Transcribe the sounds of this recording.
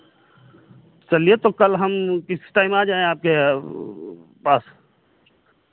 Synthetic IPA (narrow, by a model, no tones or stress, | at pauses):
t͡ʃɐliet̪okɐlɦɐmkɪsi̥ʈaːɪmaːd͡ʒaːẽaːp̚ke | paːs